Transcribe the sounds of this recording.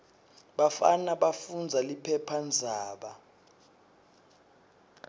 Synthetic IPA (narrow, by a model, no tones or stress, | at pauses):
ɓafa̰naɓafund͡zʱalipʰɛpʰand͡zʱaːɓa